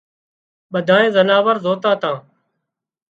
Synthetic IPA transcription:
ɓəd̪ʱaːẽːzənaːʋəɾzoːt̪ãːt̪ãː

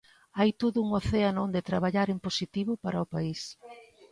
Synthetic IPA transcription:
ajt̪oðʊuŋoθeanond̪et̪ɾaβaʎaɾemposit̪iβʊpaɾaopais

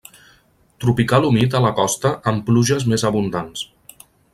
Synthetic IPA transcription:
t̪ɾupikalumit̪ələkɔst̪əʔəmpluʒəzmezəβund̪ans

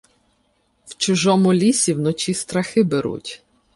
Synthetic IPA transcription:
wt͡ʃʊʒɔmʊlʲisʲiwnɔt͡ʃist̪ɾɐxɪbeɾṵtʲ

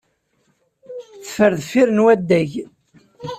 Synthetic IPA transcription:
θə̥fəɾðfiɾənwæd̪ːæʝ

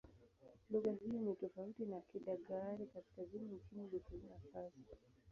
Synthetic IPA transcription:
luɣahiɔnitɔfautinakiɗaɠaɾikaskaziniukimulikunafasi̥

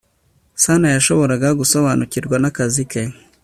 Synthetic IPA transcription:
sanajaʃoβoɾaɡaɡusoβanuciɾɡwanakazike

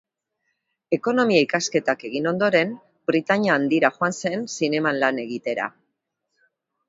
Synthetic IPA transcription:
e̞ko̞no̞miaikaske̞t̪ake̞ɣino̞nd̪o̞ɾe̞m | bɾit̪aɲaːnd̪iɾaxoanse̞nsine̞manlane̞ɣit̪e̞ɾa̰

